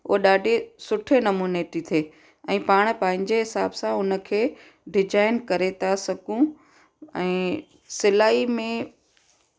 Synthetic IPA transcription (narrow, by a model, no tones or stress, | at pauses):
ʊ̰ɦoɗaːɖʱesʊʈʰenɐmuːneːʈit̪ʰeː | ɛ̃ːpaːɽ̃̆pɐ̃ɦɪ̃ɲ̆d͡ʑeɦɪsaːbsãʊnə̆kʰeː | ɖɪd͡ʑaːɪnkɐɾet̪ʰasɐɡũ | ɛ̃ː | sɪlaːimẽ